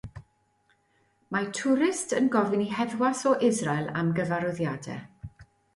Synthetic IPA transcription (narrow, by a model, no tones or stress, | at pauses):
matʰʊɾɪstʰənɡɔvɪniɦɛðwasɔʔɪzrajlˠa̰mɡəvaɾɔðjadɛ̰